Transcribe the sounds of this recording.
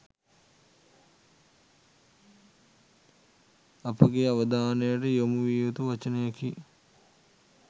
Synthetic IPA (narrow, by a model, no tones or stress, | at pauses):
ɐpɐɡeɐʋɐd̪aːnɐjɐʈejomuʋiʋɐt̪uʋɐt͡ʃɐnɐjɐki